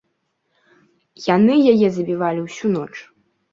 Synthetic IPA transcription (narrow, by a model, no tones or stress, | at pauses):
janɨjajɛzɐbʲivalʲiwsʲunɔt͡ʂ